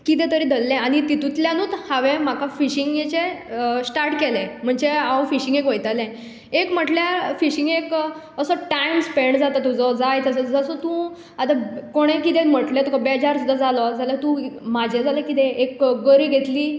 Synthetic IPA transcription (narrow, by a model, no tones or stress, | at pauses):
kit̪̬ɛ̃t̪əɾid̪ʱəlːɛ̃aɽ̃it̪it̪ut̪ljãnuːt̪haʋẽm̤akafiɕiŋɡjet͡ɕesʈaɾʈkelɛ̃m̤əɳd͡ʑeawfiɕĩŋɡekʋəjt̪alɛ̃ | ekm̤əʈljafiɕiŋɡek | əsɔʈajmspeɳɖd͡zat̪at̪ud͡zɔd͡zajt̪əsəd͡zəsɔt̪ũ | at̪akoɽ̃ẽkit̪ɛ̃m̤əʈlet̪ukʰabed͡ʑaɾsud̪ːad͡zalɔd͡zalat̪ũmad͡ʑʱed͡zalakit̪ɛekɡəɾiɡʱet̪liː